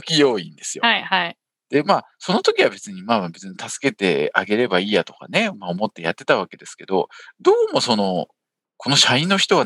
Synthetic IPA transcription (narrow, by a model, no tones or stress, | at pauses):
kʲijo̞ːĩnd̪e̞sɨjo̞ahai | d̪̥e̞maː | so̞no̞t̪o̞kʲiβabe̞t͡sɨɲ̟imaːmabe̞t͡sɨɲ̟it̪asɨ̥ke̞t̪e̞aɡe̞ɾe̞baiːjat̪o̞̥ka̰ne̞maomo̞t̪ːe̞jat̪ːe̞t̪aβ̞ake̞d̪e̞sɨ̥ke̞d̪o̞̰d̪o̞ːmo̞so̞no̞ | ko̞no̞ɕaĩnːo̞çi̥t̪o̞β̞a